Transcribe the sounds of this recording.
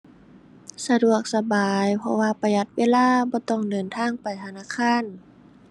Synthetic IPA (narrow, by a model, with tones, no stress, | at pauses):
sa˧du˨˩ək̚sa˧baː˨jpʰɔ̰˧waː˧˨pa˧ja˧t̪̚weː˧˥˨laː˧˥˨bɔː˧˦t̪ɔ˧˩ŋdɤː˨˩nt̪ʰaː˧˥˨ŋpa˨˩jt̪ʰa˧naː˧˥˨kʰaː˧˥˨n